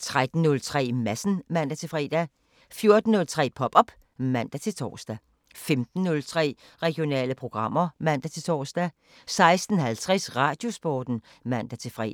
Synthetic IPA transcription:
t͡sʰʁad̥n̩ːɔ̽lt͡sʰʁɛ̰ːmæsn̩mæn̰d̥æt͡sʰe̝lfʁɛ̰ːd̥æ | fjo̝ɐd̥n̩ːɔ̽lt͡sʰʁɛ̰ːpʰɒ̽b̥ɒ̽b̥ | mæn̰d̥æt͡sʰe̝lt͡sʰɒ̰ːsd̥æ | femd̥n̩ːɔlt͡sʰʁɛ̰ː | ʁɛɡ̥jo̝nɛ̰ːləpʰʁo̝ɡ̥ʁɑ̈m̰ɐmæn̰d̥æt͡sʰe̝t͡sʰɒ̰ːsd̥æ | sɑ̈ɪsd̥n̩hælt͡sʰʁɛsʁɑ̈ːd̥jo̝sb̥ɒːd̥n̩ | mæn̰d̥æt͡sʰe̝fʁɛ̰ː

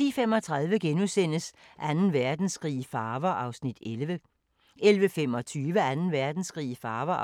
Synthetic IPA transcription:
ḭfemɒ̽t͡sʰʁɑð̞ˠʋəɡ̥enusen̰əs | ʔænn̩ʋæɐd̥n̩sɡ̥ʁḭːfɑːʋɐʔɑ̈ʊsnid̥elʋə | elʋəfem̰ɒ̽t͡sʰyːʋəænn̩ʋæɐd̥n̩sɡ̥ʁḭːfɑ̈ːʋɐ

